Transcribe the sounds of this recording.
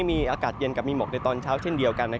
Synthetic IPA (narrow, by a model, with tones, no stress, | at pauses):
jmiː˧ʔaː˧kaː˨˩t̪̚je˧nka˨˩miː˧mo˨˩k̚na˧jt̪ɔː˧nt͡ɕʰaː˦˥wt͡ɕʰe˥˩ndi˧əwka˧nːa˦˥